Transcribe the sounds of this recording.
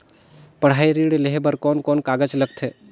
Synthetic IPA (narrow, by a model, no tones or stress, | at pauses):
pɐɽ̤aːiɾiːɽleɦebəɾkɔːnkɔːnkaːɡəd͡ʒləɡ̚t̪ʰeː